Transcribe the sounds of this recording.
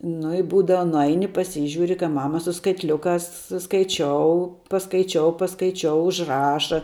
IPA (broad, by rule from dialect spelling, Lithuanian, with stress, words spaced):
nʊ ɪ ˈbuːdɐʋɐ nʊˈɐɪnʲɪ pɐˈsʲiːʒʲuːrʲɪ kɐɪ ˈmɑːmɐ sʊ skɐɪtʲˈlʲʊkɑːs skɐɪˈt͡ʃʲoːʊ pɐskɐɪˈt͡ʃʲoːʊ pɐskɐɪˈt͡ʃʲoːʊ ʊʒˈrɑːʃɐ